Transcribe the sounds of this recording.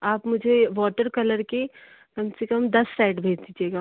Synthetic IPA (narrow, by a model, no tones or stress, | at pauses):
aːpmʊd͡ʒʱeʋɔːʈəɾkɐləɾke | kɐmsekɐmd̪ɐsːaːɪʈbʱeːd͡ʒd̪iːd͡ʒieːɡaː